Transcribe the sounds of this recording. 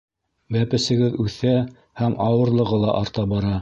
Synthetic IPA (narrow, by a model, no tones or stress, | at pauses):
bæpɘ̆sɘ̆ɡɘðʉθæ | hæmʔɑwɤ̆ɾlˠɤ̆ʁɤlˠɑ̰ʔɑɾt̪ɑbɑɾɑ